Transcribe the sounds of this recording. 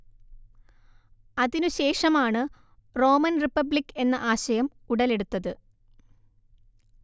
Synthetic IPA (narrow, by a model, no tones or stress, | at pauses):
ɐðinuɕe̞ːʂɐmaːɳɨ | ro̞ːmɐnripːɐblikːe̞nːɐʔaːɕɐjɐm | uɽɐle̞ɽut̪ːɐðɨ